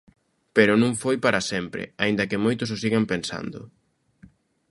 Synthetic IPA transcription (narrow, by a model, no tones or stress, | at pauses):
peɾʊnũŋfojpaɾɐsɛmpɾɪ̰aĩnd̪ɐkɪmojt̪ʊs̬osiɣampensa̰nd̪ʊ̰